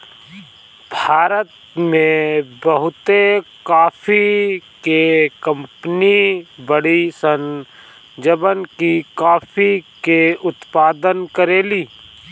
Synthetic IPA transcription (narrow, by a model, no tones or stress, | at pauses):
bʱaːɾət̪ | mẽbəɦʊt̪ekaːfʰikekə̃mpənibəɽisən | d͡ʒəbənkikaːfʰikeʊt̪paːd̪ənkəɾeːliː